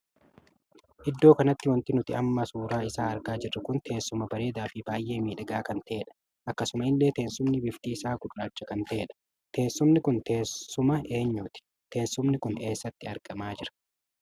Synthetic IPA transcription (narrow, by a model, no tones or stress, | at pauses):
ʔɪd̪ːo̞ːkɐnɐt̪ːɪwɐnt̪ɪnʊt̪ɪɐmːɐsuːɾaːɪsaːɐɾɡaːd͡ʒɪrːɐkʊnt̪ʰe̞ːsːʊmɐbɐɾe̞ːd̪aːfɪbaːjʔe̞ːmiːᶑɐɡaːkɐnt̪ɐʔeːᶑɐ̥ | ʔɐkːɐsʊmɐɪlːe̞ːt̪eːnsʊmnɪbɪfk̪iːsaːkʊᶑʊɾaːt͡ʃːɐkɐnt̪ɐʔeːᶑɐ̥ | t̪e̞ːsːʊmnɪkʊnt̪eːsʊmɐe̞ːɲːuːt̪ɪ̥ | t̪e̞ːnsʊmnɪkʊne̞ːsːɐt̪ːɪɐɾɡɐmaːd͡ʒɪɾɐ̥